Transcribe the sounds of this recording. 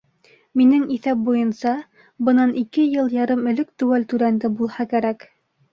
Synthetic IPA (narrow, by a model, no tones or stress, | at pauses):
minɘŋiθæp̚bujɤ̆nsɑ | bɤnɑnʔikɘjɤlˠjɑɾɤmɵ̆lɵkt̪ʉ̆wælt̪ʉɾænd̪ɘbulˠhɑkæɾæk